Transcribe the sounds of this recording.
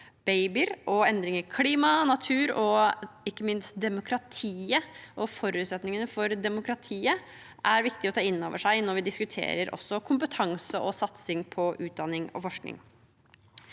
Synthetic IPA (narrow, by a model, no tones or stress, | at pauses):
b̥eɪbɪɾʔɔɛnd̪ɾɪŋəɾkʰliːmɑnɑt̪ʰʉːɾɔɪkːəmɪnst̪̚d̪ɛmʊkʰɾɑt̪ʰiːəʔɔfɔɾʉːt̪sɛt̪nɪŋənəfɔɾd̪ɛmʊkɾɑt̪ʰiːə | ʔæɾʋɪkt̪ɪɔt̪ʰɑːɪnːo̰ːʋəʂæɪnɔɾʋɪd̪ɪskʉt̪ʰḛːɾəɾʔɔ̰sːɔkʰʊmpət̪ʰɑŋsəʔɔsɑt̪sɪŋpʰɔʔʉːt̪̚d̪ɑnːɪŋɔ̰fɔʂknɪ̰ŋ